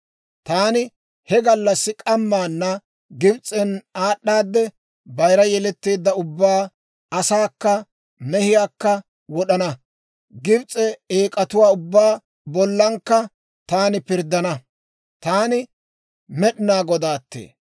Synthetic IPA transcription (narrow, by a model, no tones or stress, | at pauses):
t̪aːnɪ | hɛɡɐlːɐsːɪkʼɐmːaːnːɐ | ɡɪbt͡sʼɛnaːɗːaːd̪ːɛ | bɐjɾɐjɛlɛt̪ːeːd̪ːɐʊbːaː | ɐsaːkːɐ | mɛhɪjaːkːɐ | wɔɗɐnɐ | ɡɪbt͡sʼɛeːkʼɐt̪ʊwaːʊbːaː | bɔlːɐŋkːɐ | t̪aːnɪpɪɾd̪ːɐnɐ | t̪aːnɪ | mɛɗɪnaːɡɔd̪aːt̪ːḛː